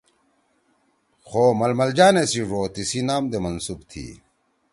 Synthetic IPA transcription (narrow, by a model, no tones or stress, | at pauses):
xoːmɐlmɐld͡ʑaːnesiʐoːt̪isinaːmd̪emɐnsubt̪ʰḭː